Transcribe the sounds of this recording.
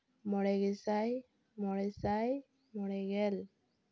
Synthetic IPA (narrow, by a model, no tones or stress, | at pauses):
mɔɹɛɡɛsaj | mɔɹɛsaj | mɔɹɛɡɛl